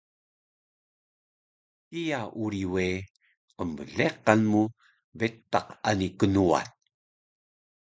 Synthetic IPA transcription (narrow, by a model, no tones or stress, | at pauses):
kijaʔuɾiwe | qəmbəɮeqanmu | bet̪ːaqanikənua̰t̚